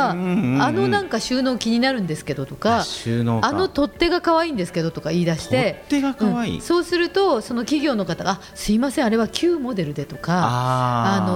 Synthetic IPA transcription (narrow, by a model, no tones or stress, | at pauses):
ano̞nãŋkaɕɨːno̞ːkʲiɲ̟inaɾɯ̟̃nd̪e̞sɨ̥ke̞d̪o̞t̪o̞kaɕɨːnoano̞t̪o̞t̪ːe̞ɡakaβ̞aĩːnd̪e̞sɨ̥ke̞d̪o̞t̪o̞kaiːd̪aɕi̥t̪e̞eaɯ̃ɴaḭso̞ːsɨɾɯ̟t̪o̞so̞no̞kʲiɡʲo̞ːno̞kat̪aɡa | sɨimasẽaɾe̞β̞akʲʰɨːmo̞d̪e̞ɾɯ̟d̪e̞t̪o̞kaano̞